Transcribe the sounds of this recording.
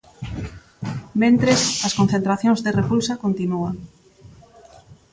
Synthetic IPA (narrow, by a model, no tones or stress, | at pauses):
mẽnt̪ɾesɐskon̟θẽnt̪ɾaθjõŋzðerepulsɐkont̪inuaŋ